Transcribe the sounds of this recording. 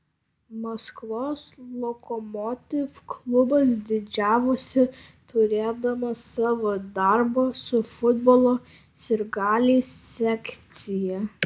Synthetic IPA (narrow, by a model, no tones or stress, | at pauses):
mɐskʋoːslˠokɔmoːt̪ʲɪfklˠʊbɐs̬d̪ʲɪd͡ʒʲæːʋʊsʲɪt̪ʰʊɾʲeːd̪ɐmɐsɑːʋoːd̪ɐɾboːsʊfʊd̪bɔːlˠoː | sʲɪɾɡɑːlʲiːsːʲɛkʲt̪sʲɪjɛ